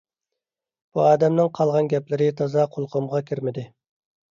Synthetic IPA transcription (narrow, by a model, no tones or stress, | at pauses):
b̥uɑːd̪ɛmnɨŋqʰɑlˠʁɑnɡʲɛplɪɾɪt̪ʰɑzɑqʰolˠqʰomʁɑkʲʰiɾmɪd̪ɪ